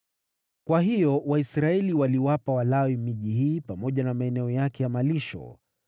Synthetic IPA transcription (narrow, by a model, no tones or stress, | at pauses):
kwaɦijɔwaisɾaɛliwaliwapawalawimiʄihiːpamɔʄanamaɛnɛɔjakɛjamaliʃɔ̰